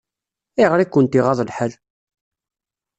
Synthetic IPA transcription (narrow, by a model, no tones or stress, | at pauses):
iʁɾikːənt̪iʁɑðˤəlħəl